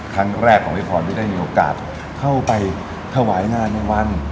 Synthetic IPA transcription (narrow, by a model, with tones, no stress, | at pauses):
kʰɾa˦˥ŋɾɛː˥˩kʰːɔː˩˦ŋli˦˥˩pʰɔː˧nt̪ʰiː˥˩da˥˩jmiː˧ʔoː˧ka̰ː˨˩t̪̚ | kʰa˥˩wpa˧j | t̪ʰa˥˩wa˩˦jnaː˥˩na˧˥˩jwa˧˥n